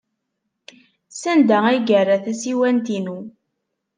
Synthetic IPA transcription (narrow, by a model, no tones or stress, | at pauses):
sænd̪ææjɡərːæθæsiwænt̪inu